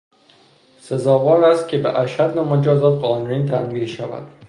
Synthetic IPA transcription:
se̞zɒːvɒːnæst̪̚cʰebeʔæʃæd̪næmod͡ʒɒːzɒːt̪ɢɒːnuɾiːnt̪ʰæmiːd̪ʃævæ̰d̪̥

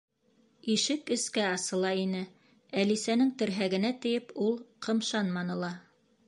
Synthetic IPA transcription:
iʃɘkɘ̆skæɑsɤ̆lˠɑinɘ | ælisænɘŋt̪ɘ̆ɾɦæɡɘ̆næt̪ɘ̆jɘpulˠqʰɤ̆mʃɑnmɑnɤ̆lˠɑ

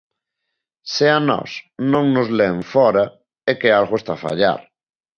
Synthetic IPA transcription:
seanɔ̰snõŋnʊzleɱfɔɾa | ekealɣoest̪afa̰ʎa̰ɾ

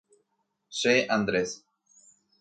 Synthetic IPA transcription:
ʃeʔand̪ɾes

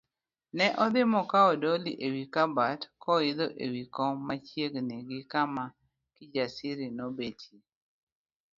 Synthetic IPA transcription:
nɛʔɔd̪ɪmɔkaɔdɔliʔewikabatkɔɪd̪ɔʔewikɔːat͡ʃjeɡneɡɪkama | kɪd͡ʒasɪɾinobetʰi

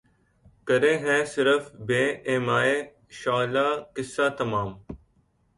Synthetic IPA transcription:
kəɾẽːɦɛ̃ːsɪɾəfbeːeːmaːeː | ʃaːlaːkɪsːaːt̪ɐmaːm

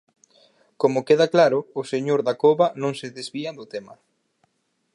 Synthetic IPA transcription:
komʊkeðaklaɾʊːseɲoɾðakoβanõŋseðezβiad̪ʊt̪emɐ

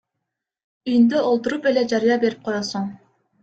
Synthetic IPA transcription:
yjnd̪ɛolˠt̪uɾupelɛd͡ʒɑɾijɑbeɾip̚qʰojɑsuŋ

